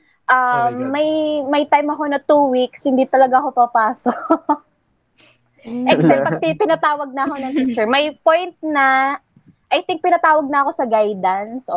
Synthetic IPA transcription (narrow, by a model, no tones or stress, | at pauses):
ʔɐmːɐjmɐjt̪ajmɐko̞nɐt̪uːwikshɪnd̪it̪ɐlɐɡaɐko̞pɐpaːso | ʔɛksɛpɐtɪpɪnɐt̪aːwɐɡ̚nɐɐko̞nɐŋt̪it͡ʃɛɹmɐjpojnt̪̚nɐ | ʔɐjt̪ɪŋk̚p̪ɪnɐt̪aːwɐɡ̚nɐɐko̞sɐɡajd̪ɐnsʔo